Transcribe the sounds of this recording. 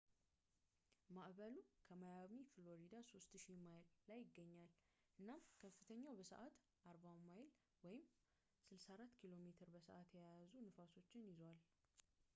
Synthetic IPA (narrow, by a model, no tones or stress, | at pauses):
maʔbəlukʰəmajamiflo̞ɾid̪aso̞st̪ʃimajlːajːɪɡːəɲːal | ʔɨnːamkʰəfːɨt̪ʰəɲːawbəsə̰ʔat̪ | ʔaɾbawmajl | wɔjɪm | sɨlsaɾat̪ːkʰilo̞met̪ʰɨɾbəsə̰ʔat̪jajjazunɨfaso̞t͡ʃːɪnjɪzwal